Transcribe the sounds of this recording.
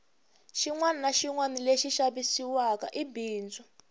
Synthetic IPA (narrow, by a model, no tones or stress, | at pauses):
ʃiŋwaninaʃiŋwanileʃiʃaβisiwaka̰ʔibiːnd͡zɔ